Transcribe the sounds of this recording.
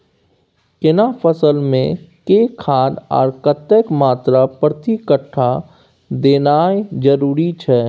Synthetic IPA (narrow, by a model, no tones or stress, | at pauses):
kɪnapʰəsəlmẽkekʰaːd̪ɔ̰ːɾkət̪əkmaːt̪ɾapɾət̪ikəʈʰːa | d̪eːnaːed͡ʒəɾuːɾit͡ʃʰɛː